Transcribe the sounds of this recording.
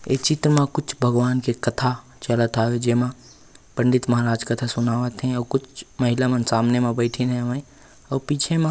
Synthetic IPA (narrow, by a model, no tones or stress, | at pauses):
et͡ʃɪt̪ɾəmãkʊt͡ʃʰbʱəɡʋaːnkekət̪ʰa | t͡ʃələt̪aːɦed͡ʒeːmã | pə̃ɳɖɪt̪mɐɦaɾaːd͡ʒkət̪ʰasʊnaːʋət̪ɦɛ̃ɔːkʊt͡ʃʰməɦɪlamənsaːmnemẽbəɪʈʰinɦɛməi | ɔːɾpiːt͡ʃʰemã